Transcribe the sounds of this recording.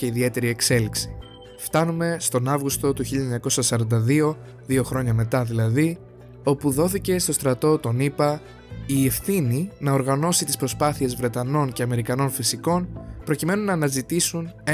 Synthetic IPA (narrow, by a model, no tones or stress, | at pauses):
eiðie̞t̪e̞ɾie̞kse̞liksi̥ | ft̪ɐnume̞st̪o̞nɐvɣust̪o̞t̪uçiʎɐeɲɐko̞sɐsɐɾɐnd̪ɐðio̞ | ðio̞xɾo̞ɲɐme̞t̪ɐðilɐði | o̞puðo̞θice̞st̪o̞st̪ɾɐt̪o̞t̪o̞nipɐ | ie̞fθininɐo̞ɾɣɐno̞sit̪ispɾo̞spɐθie̞zvɾe̞t̪ɐno̞nce̞ɐme̞ɾikɐno̞nfisiko̞npɾo̞cime̞nunɐːnɐzit̪isune